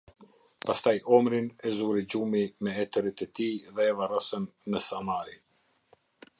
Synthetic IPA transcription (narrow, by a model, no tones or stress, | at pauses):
past̪ajɔmɾinɛzuɾid͡ʑumimɛɛt̪əɾit̪ɛt̪iðɛːvarɔsənːəsamaɾi